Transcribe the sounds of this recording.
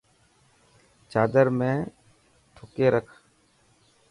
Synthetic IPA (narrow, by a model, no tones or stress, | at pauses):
t͡ʃaːd̪əɾmẽː | ʈ̪ʰʊkeːɾəkʰ